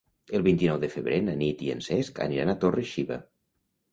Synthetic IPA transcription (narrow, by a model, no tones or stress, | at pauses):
əlˠβint̪inɔwðəfəβɾenanit̪iə̰nsɛska̰niɾanat̪orəiʃiβa̰